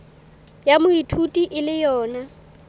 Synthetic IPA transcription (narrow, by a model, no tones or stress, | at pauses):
jamʊitʰutʼiʔɪlɪjɔːna